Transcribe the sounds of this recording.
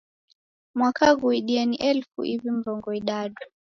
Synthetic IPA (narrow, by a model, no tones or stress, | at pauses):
mwakaɣuiɗiɛniʔɛlfṵʔivim̩vɔŋɡɔiɗaɗu